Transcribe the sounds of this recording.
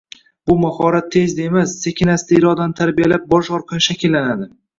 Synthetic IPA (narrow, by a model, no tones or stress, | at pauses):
b̥ʊmahɒɾat̪ʰːe̞zd̪aemasːekʲʰɪnasɪt̪aɪɾɒd̪anɪt̪ʰaɾbijalap̚bɒʃɒɾqʰɑnʃakʲʰɪlːanad̪ɪ